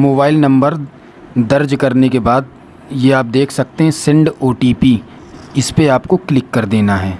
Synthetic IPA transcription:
moːbaːɪlnɐ̃mbəɾ | d̪ɐɾd͡ʒkɐɾnekebaːd̪̚ | jeaːp̚d̪eːkʰsɐk̚t̪eɦɛ̃sɪ̃ɳɖoːʈiːpi | ɪspeaːpkoklɪkːɐɾd̪eːnaɦɛː

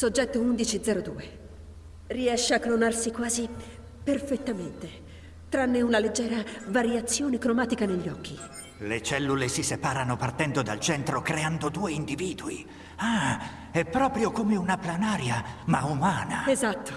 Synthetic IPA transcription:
sod͡ʒːɛt̪ːound̪it͡ʃid̪zɛːɾod̪uːe | riɛʃːeakːlonarsikwaːzi | perfet̪ːament̪e | t̪ɾanːeunaled͡ʒːɛːɾavaɾjat̪sːjoːnekɾomaːt̪ikaneʎːɔkʰːi | let͡ʃɛlːulesisepaːɾanopart̪ɛnd̪od̪a̰lt͡ʃɛnt̪ɾokɾeand̪od̪uːeind̪iviːd̪uḭ | a | ɛpːɾɔːpɾjokomeunaplanaːɾjamaumaːnaezat̪ːo̥

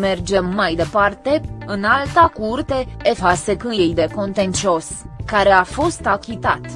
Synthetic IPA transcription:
me̞rd͡ʒe̞mːajd̪e̞part̪e̞ɨnalt̪akurt̪e̞ːfase̞kɨnjejd̪e̞ko̞nt̪ent͡ʃio̞skaɾe̞afo̞st̪akʲit̪at̪

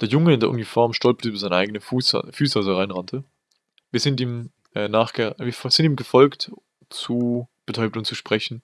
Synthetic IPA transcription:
d̥eːɐjʊŋəɪndeːɐʔʊnifɔɐmʃtɔlpɐ̥təyːbɐzaɪnəʔaɪɡənəfuːsfyːsasɐʁaɪnʁantʰə | viːɐzɪntiːm | ʔɛnaːχɡ̥əviːɐfz̥ɪntiːmɡəfɔlkt | t͡sub̥ətʰɔʏbn̩ʊntt͡suʃpʁ̥ɛçn̩

